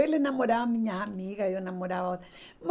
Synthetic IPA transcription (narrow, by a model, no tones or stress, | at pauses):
elenamodawamiɲaamikajonamodawaot̪ | m